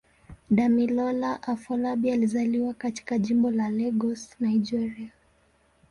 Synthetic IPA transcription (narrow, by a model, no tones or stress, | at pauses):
ɗamilɔlaʔafɔlabializaliwakati̥kaʄimbɔlalɛɡɔsnaid͡ʒɛɾia